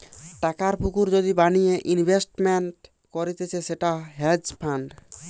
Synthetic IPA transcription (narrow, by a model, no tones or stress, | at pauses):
ʈakaɾpʰukuɾd͡ʒɔd̪ibanijeʔinbʱesʈmenʈ | kɔɾit̪et͡ʃʰɛseʈaɦed͡ʒpʰaɳɖ